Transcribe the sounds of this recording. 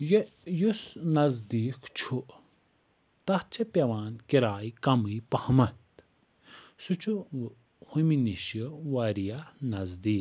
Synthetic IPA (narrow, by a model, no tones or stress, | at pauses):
j | jusnɐzd̪iːkt͡ʃʰu | t̪ɐht͡ʃʰɐpʲeʋaːnkiɾaːjkɐmɨːpɐhɐmɐt̪ | sut͡ʃʰu | huminiʃjəwɐɾijanɐzd̪iːk